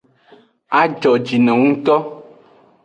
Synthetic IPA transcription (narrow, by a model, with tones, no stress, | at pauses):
a˦d͡ʒɔ˨d͡ʒi˨nɛ̃˨ŋũ˦t̪ɔ˦